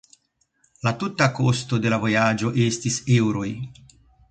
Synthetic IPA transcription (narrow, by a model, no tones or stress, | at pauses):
latutako̞sto̞de̞lavo̞jad͡ʒo̞ʔe̞stisewɾo̞j